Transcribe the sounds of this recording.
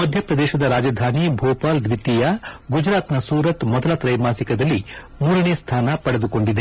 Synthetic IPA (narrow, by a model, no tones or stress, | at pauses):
mɐd̪ʱjɐpɾɐd̪ɛːʃɐd̪ɐɾaːd͡ʒɐd̪ʱaːnibʱoːpaːld̪ʋit̪ːijɐɡud͡ʒɾaːt̪nɐsuːɾɐt̪mɔd̪ɐlɐt̪ɾɐjmaːsikɐd̪ɐlːi | muːɾɐneːst̪ʰaːnɐpɐɽed̪uko̞ɳɖid̪e